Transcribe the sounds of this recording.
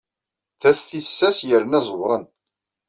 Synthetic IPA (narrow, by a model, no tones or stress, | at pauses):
θæθθisːæsjəɾnæzˤəwɾˤən